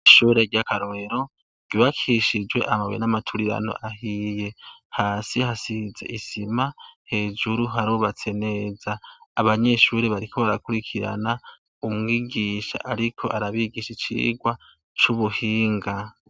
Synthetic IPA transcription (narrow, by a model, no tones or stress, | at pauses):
ʃuːɾe̞ɾɟakaɾoeɾo̞ | ɡ̥iβakʰiʃid͡ʒwe̞̰ʔamaβw̰ḛnamatʰuɾiɾa̰no̰ʔaɦije̞haːsihasize̞̰ʔisimahe̞ːd͡ʒuɾuɦaɾoβat͡se̞ne̞ːzaːβaɲe̞ʃuːɾeβaɾikʰo̞βaɾakuɾikʰiɾa̰na | umŋiːɡiːʃa̰ʔaɾikʰo̞ʔaɾaβiɡiʃit͡ʃḭːɡwa | t͡ʃuβuhiːŋɡa